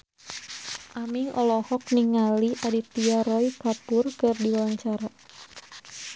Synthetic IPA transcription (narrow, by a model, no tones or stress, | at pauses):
ʔamiŋʔɔlɔhɔk̚niŋaliʔadit̪iaɾɔikapʊrkɨrdiaaŋt͡ʃaɾa